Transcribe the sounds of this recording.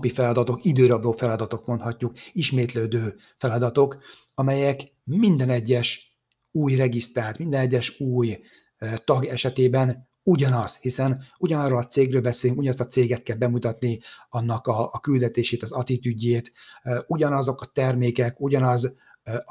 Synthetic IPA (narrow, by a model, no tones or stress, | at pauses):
pifɛlɒd̪ɒt̪o̞kid̪øːɾɒbloːfɛlɒd̪ɒt̪o̞kmo̞nt̪hɒcːukiʃmeːt̪løːd̪øː | fɛlɒd̪ɒt̪o̞k | ɒmɛjɛk | mind̪ɛnɛɟːɛʃ | uːjrɛɡist̪ɾaːt̪mind̪ɛnɛɟːɛʃuːj | t̪ɒɡɛʃɛt̪eːbɛn | uɟɒnɒshisɛnuɟɒnɒrːoːlɒt̪seːɡrøːlbɛseːlyŋkuɟɒnst̪ɒt̪seːɡɛt̪̚kɛlbɛmut̪ɒt̪niɒnːɒkɒːkyld̪ɛt̪eːʃeːt̪ɒzɒt̪it̪yɟːeːt̪uɟɒnɒzo̞kɒt̪ɛrmeːkɛkuɟɒnɒz